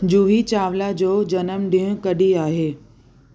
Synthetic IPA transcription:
d͡ʑuːɦit͡ɕaːʋlad͡ʑoːd͡ʑɐnəmɗĩɦũkɐɗiaːɦeː

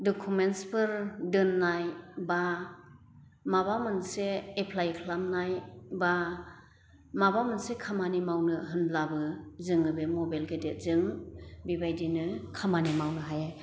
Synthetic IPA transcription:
dɔkʰumentspʰɯɾdɯnːajba | mabamɯnseːpʰlajkʰlamnajba | mabamɯnsekʰamanimawnɯɦɯnblabɯzɯŋɯbemɔbalɡedezɯŋbibajdinɯkʰamanimawnɯɦaja

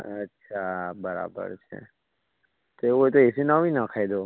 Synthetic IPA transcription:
ətːʃʰabəɾa̰bə̰ɾt͡ʃʰḛ | t̪oeʋojt̪oesinaʋinakʰajd̪o

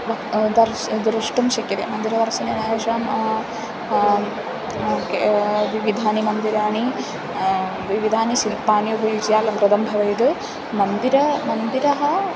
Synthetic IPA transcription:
ʋɐd̪ɐɾ | d̪ɾuʂʈumʃɐkjɐt̪ḛːmɐnd̪iɾɐd̪ɐɾsɐnɐʃaːm | okeʋiʋid̪ʱaːnimɐnd̪iɾaːɳi | ʋiʋid̪ʱaːniʃilpaːnjubʱɐjud͡ʒjaːlɐmpɾɐd̪ɐmbʱɐʋɐjd̪ɨ | mɐnd̪iɾɐmɐnd̪iɾɐɦɐ

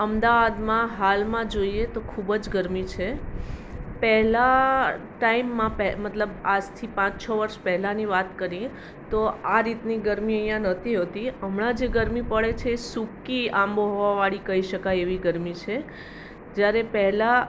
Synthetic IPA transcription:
əmd̪aʋad̪mãɦalmãd͡ʒoiet̪okʰubd͡ʒɡəɾmit͡ʃʰe | pɛɦla | ʈaimːãpɛmət̪ləbad͡ʒt̪ʰipãt͡ʃt͡ʃʰəʋəɾʃpɛɦlaniʋat̪kəɾi | t̪oaɾit̪niɡəɾmiəjãnət̪ʰiɦot̪iəmɳãd͡ʒeɡəɾmipəɭet͡ʃʰeːsukːiãmboɦoʋaʋaɭikəɦiʃəkajeʋiɡəɾmit͡ʃʰe | d͡ʒjaɾepɛɦla

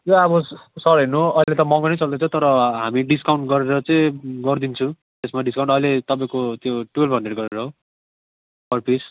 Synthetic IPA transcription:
joabʌsʌɾinːuɦoʔʌilet̪ʌmʌŋɡʌnejt͡sʌld̪ʌt͡sʰut̪ʌɾʌɦamiɖiskawɳʈɡʌɾeɾʌt͡sʌĩɡʌrd̪int͡sʰũ | t̪esmaɖiskaw̃ɳʈʌilet̪ʌpãĩkot̪joʈuelpʰʌɳɖeɽɡʌɾeɾʌɦo | pʌrpis

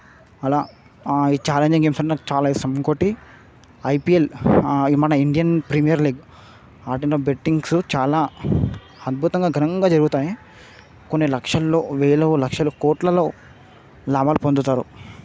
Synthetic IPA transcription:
ɐlaː | iːt͡ʃaːleɲd͡ʒiŋɡemsɐɳʈːnɐt͡ʃaːlaːisɐmkoʈːi | ɐjpielimɐnɐiɳɖijɐnpɾimijɐɾliːɡ | aːʈinːɐbeʈːiŋɡsut͡ʃaːlaː | ɐd̪̚bʱut̪ɐŋɡaːɡʱɐnɐŋɡaːd͡ʒɐɾuɡut̪aːji | konːilɐkʂɐlːo̞ːʋeːlɐlɐkʂɐlukɔːʈlɐlo̞ː | laːbaːlupond̪ut̪aːɾṵ

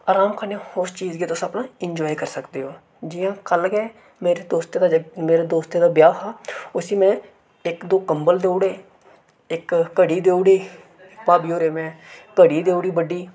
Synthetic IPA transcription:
aːɾaːmkʰaːnjãoʊɾst͡ʃiːzɡeːt̪ʊsapnãːɪɲd͡ʒɔːikəɾsəkd̪eːɦoː | d͡ʒɪjãːkəlɡɛː | meːɾeːd̪oːst̪eːd̪aːmeːɾeːd̪oːst̪eːd̪aːbjaːɦaːʊsiːmɛ̃ː | ɪkd̪oːkəmbəld̪eːoːɽeː | ɪkːəɽiːd̪eːoːɽeiː | paːbiːoːɾeːmɛ̃ːkəɽiːd̪eːoːɽiːbəɖiː

